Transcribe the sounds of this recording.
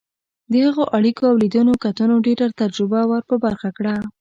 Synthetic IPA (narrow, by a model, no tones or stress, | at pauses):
d̪əhaɣoʔaɽikoawlid̪unokat̪ənoɖeɾat̪ad͡ʒɾʊbawəɾpəbaɾxakɽa